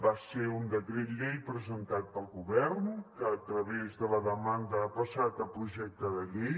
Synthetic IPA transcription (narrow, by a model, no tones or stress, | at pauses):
baseund̪əkɾet̪ʎejpɾəzənt̪at̪̚pəlˠɣuβɛɾnkəːt̪ɾəβezðələðəmand̪əapəsat̪əpɾuʒɛk̚t̪əðəʎej